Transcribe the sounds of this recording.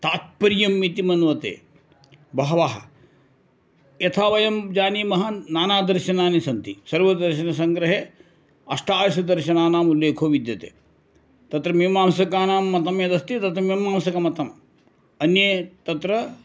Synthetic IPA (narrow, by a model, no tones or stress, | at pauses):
t̪aːt̪̚pɐɾjɐmːit̪imɐnʋɐt̪ḛː | bɐɦɐʋaːɦɐ̰ | jɐt̪ʰaːʋɐjɐmd͡ʒaːniːmɐɦɐnaːnaːd̪ɐɾʃɐnaːnisɐnt̪isɐɾʋɐd̪ɐɾʃɐnɐsɐŋɡɾɐɦeː | ɐʂʈaːjɐʃɐd̪ɐɾʃɐnaːnaːmuleːkʰoːʋid̪jɐt̪ḛː | t̪ɐt̪ɾɐmemaːmsɐkaːnaːmːɐt̪ɐmjɐd̪ɐst̪it̪ɐt̪ɾɐmimaːmsɐkɐmɐt̪ɐm | ɐnjet̪ɐt̪ɾɐ